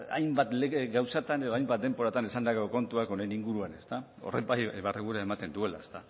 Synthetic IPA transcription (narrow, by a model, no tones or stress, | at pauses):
a̰jmbat̪leɡawsat̪ane̞ð̞o̞ajmbat̪̚d̪e̞mpo̞ɾat̪anesand̪akeoko̞nt̪uako̞ne̞niŋɡuɾuane̞st̪a | o̞̰rḛbajβareɣuɾeaemat̪e̞nd̪ue̞la̰est̪a